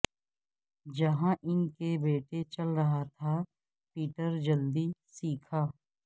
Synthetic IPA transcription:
d͡ʒɐɦãʔɪnkebeːʈet͡ʃɐlɾɐɦat̪ʰa | piːʈəɾd͡ʒɐld̪isiːkʰaː

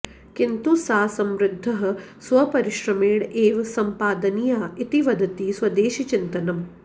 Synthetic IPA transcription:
kint̪usaːsɐmɾɪd̪ʱːɐɦɐ̆sʋɐpɐɾɪʃɾɐmeːɽeːʋsɐmpaːd̪ɐnijaːit̪iʋɐd̪ʱɐt̪iːswɐd̪eːʃit͡ʃint̪ɐnɐm

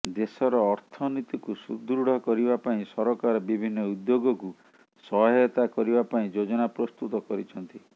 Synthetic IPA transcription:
d̪esɔɾɔːɾt̪ʰɔnit̪ikusṵd̪ɾuɽɔkɔɾibapaĩsɔɾɔkaɾɔbibʱinːɔud̪joɡɔku | sɔɦɦɔt̪akɔɾibapaĩd͡ʒod͡ʒɔnapɾɔst̪ut̪ɔkɔɾit͡ʃʰɔnt̪i

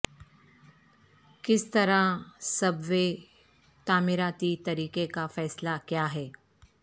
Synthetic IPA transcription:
kɪst̪ɐɾasɐbʋe | t̪aːmɪɾaːt̪it̪ɐɾiːkekafɛːslakjaːɦɛː

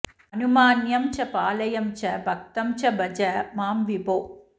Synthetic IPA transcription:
ɐnumaːnjɐmt͡ʃɐpaːlɐjɐmt͡ʃɐbʱɐk̚t̪ɐmt͡ʃɐbʱɐd͡ʒɐmaːmʋiboː

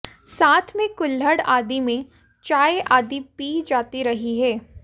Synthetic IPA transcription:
saːt̪ʰmẽkʊlɦəɽaːd̪imẽ | t͡ʃaːeʔaːd̪ipiːd͡ʒaːt̪iɾɐɦiɦɛː

